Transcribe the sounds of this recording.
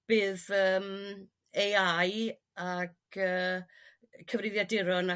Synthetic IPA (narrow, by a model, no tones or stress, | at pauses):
b̥ɨːðəːm | ejaj | akəː | kʰəvrɪðjadɪɾɔna